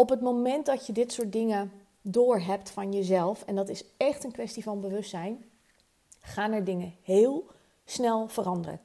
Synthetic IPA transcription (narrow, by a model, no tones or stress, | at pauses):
ɔpətmomɛndɑtjədɪtsʊːɹt̚dɪŋə | dʊːɹɦɛptfɑnjəzɛlˠfɛndɑtɪsɛχtənkʋɛstivɑnbəʋɵstːɛjn | χaːnɛɹdɪŋəheːlˠ | snɛlˠv̥ərɑndərə̰